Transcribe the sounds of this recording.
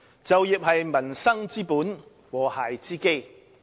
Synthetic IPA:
t͡sɐ˨wjɪ˨k̚hɐ˨jmɐ˨˩nsɐ˥ŋt͡siː˥puː˨˥n | wɔː˨˩haː˨jt͡siː˥ke˥j

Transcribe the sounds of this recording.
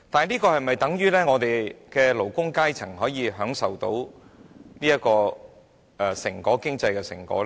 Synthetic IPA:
t̪aː˨liː˥kɔː˧hɐ˨jmɐ˨jt̪ɐ˨˥ŋjyː˥lɛː˥ŋɔː˨˧t̪e˨jkɛː˧lo˨˩wkʊ˥ŋkaː˥jt͡sʰɐ˨˩ŋɦɔː˨˥jiː˨˧ɦœː˨˥ŋsɐ˨wt̪o˨˥w | niː˥jɐ˥kɔː˧ | ʔɛ˨˧sɪ˨˩ŋkɔː˨˥kɪ˥ŋt͡sɐ˧jkɛː˧sɪ̰˨˩ŋkɔ̰ː˨˥l

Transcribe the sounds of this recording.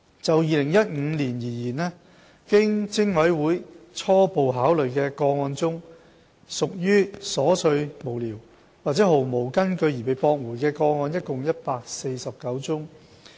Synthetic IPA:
t͡sɐ˨wjiː˨˧lɪ˨˩ŋjɐ˥t̚ŋ̩ː˨˧˥liː˨˩njiː˨˩jiː˨˩nɛː˥ | kɪ˥ŋt͡sɪ˥ŋwɐ˨˥jwuː˨˥jt͡sʰɔː˥po˨wɦaː˨˥wlɵ˨ɥkɛː˧kɔː˧ŋɔː˧nt͡sʊ˥ŋ | sʊ˨k̚jyː˥sɔː˨˥t͡sʰɵ˧ɥmo˨˩wliː˨˩w | waː˨˩t͡sɛ˨˥ho˨˩wmo˨˩wkɐ˥nkɵ˧ɥjiː˨˩pe˨˧jpɔː˧k̚wuː˨˩jkɛː˧kɔː˧ŋɔː˧njɐ˥t̚kʊ˨ŋjɐ˥t̚paː˧k̚se˧jsɐ˨p̚kɐ˨˥wt͡sʊ˥ŋ

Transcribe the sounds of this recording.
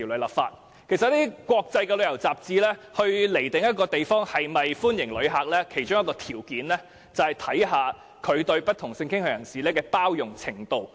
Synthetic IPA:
wlla̰ː˨pfa̰ː˧t̚ | kʰe˨˩sɐ˨t̚lːiː˥kʷwɔː˧k̚t͡sɐ˧jkɛː˧lɵ˨˧ɥjɐ˨˩wt͡saː˨p̚t͡siː˧lɛː˥hɵ˧ɥle˨˩jt̪ɪ˨˩ŋjɐ˥t̚kɔː˧t̪e˨jfɔː˥ŋhɐ˨jmɐ˨jfuː˥njɪ˨˩ŋlɵ˨˧ɥɦaː˨˩k̚lɛː˥kʰe˨˩jt͡ʃʊ˥ŋjɐ˥kɔː˧t̪ʰiː˨˩wkiː˨˥nlɛː˥ | t͡sɐ˨whɐ˨˩jt̪ʰɐ˨˥jɦaː˨˧ | kʰɵ˨˧ɥt̪ɵ˧ɥpɐ˥t̚t̪ʰʊ˨˩ŋsɪ˧ŋkʰɪ˥ŋhɵ˨˧jɐ˨˩nsiː˨lɛː˥kɛː˧paː˥wjʊ˨ŋt͡sʰɪ˨˩ŋt̪o˨˧w

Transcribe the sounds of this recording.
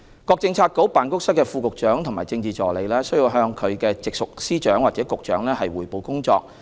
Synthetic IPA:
kɔː˧k̚t͡sɪ˧ŋt͡sʰaː˧t̚ko˨˥wpaː˨˩nkʊ˥k̚sɐ˥t̚kːɛː˧fuː˧kʊ˨k̚t͡ʃœː˨˥ŋt̪ʰʊ˨˩ŋma̰ː˨˩jt͡sɪ˧ŋt͡siː˨t͡ʃɔː˨˩le˨˧jlɛː˥sɵ˥ɥjiː˧wɦœː˧ŋkʰɵ˨˧ɥkɛː˧t͡sɪ˨k̚sʊ˨k̚siː˥t͡ʃœː˨˥ŋwaː˨˩t͡sɛː˨˥kʊ˨k̚t͡ʃœ̰ː˨˥ŋlɛː˥hɐ˨jwuː˨˩jpo˨˧wkʊ˥ŋt͡ʃɔ̰ː˧k̚

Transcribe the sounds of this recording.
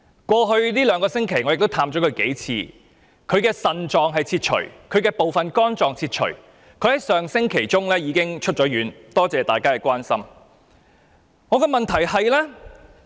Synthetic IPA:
kʷwɔː˧ɦɵ˧ɥliː˥lœː˨˧ŋkɔː˧sɪ˥ŋkʰe˨˩jŋɔː˨˧ɪ˨k̚t̪o˥wt̪ʰaː˧mt͡ɕɔː˨˥kʰɵ˨˧ɥke˨˥jt͡sʰḭː˧ | kʰɵ˨˧ɥkɛː˧sɐ˨nt͡ʃɔː˨ŋɦɐ˨jt͡sʰiː˧t̚t͡ʃʰɵ̰˨˩kʰɵ˨˧ɥkɛː˧po˨wfɐ˨nkɔː˥nt͡sɔː˨ŋt͡sʰiː˧t̚t͡ʃʰɵ̰˨˩ | kʰɵ˨˧ɥhɐ˨˥jsœː˨ŋsɪ˥ŋkʰe˨˩jt͡sʊ˥ŋlɛː˥jiː˨˧kɪ˥ŋt͡ʃʰɵ˥t̚t͡ʃɔː˨˥jyː˨˥nt̪ɔː˥t͡sɛː˨t̪aː˨jkaː˥kɛː˧kwaː˥nsɐ˥m | ŋɔː˨˧kɛː˧mɐ˨nt̪ʰɐ˨˩jhɐ˨jlɛ˥

